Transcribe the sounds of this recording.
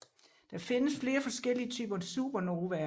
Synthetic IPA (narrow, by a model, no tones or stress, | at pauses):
d̥ɑ̈fe̝nəsfle̝ːɐfɒ̽sɡ̥el̰iət͡sʰy̰ːb̥ɐsṵːb̥ɐno̝ːʋæɐ